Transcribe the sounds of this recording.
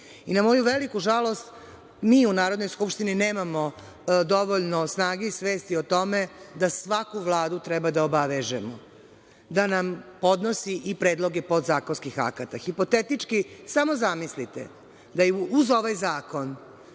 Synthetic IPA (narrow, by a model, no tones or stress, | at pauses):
inamo̞juʋe̞likuʒalo̞st̪ | miːunaːɾod̪nojskupʃt̪inineːmamo | d̪o̞ʋoʎnosnaːɡeisʋe̞ːst̪iot̪o̞me̞d̪asʋakuʋlˠaːd̪ut̪ɾɛbad̪aobaʋeʒemo | d̪anampo̞d̪nosiʔipɾe̞ːd̪lˠo̞ɡepo̞d̪zaːkonskixa̰kat̪axipo̞t̪et̪it͡ʂkisamo̞zamislit̪ḛ | d̪ajuuzo̞ʋajzaːko̞n